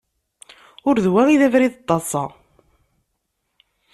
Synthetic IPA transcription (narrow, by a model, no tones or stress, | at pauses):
ʊɾðwæŋiðævɾiðət̪ˤːɑsˤɑ̰